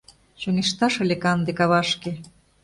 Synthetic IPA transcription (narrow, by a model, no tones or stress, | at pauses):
ɕoŋeʃt̪ɑʃɤ̆lʲekɑnd̪ekɑβɑʃke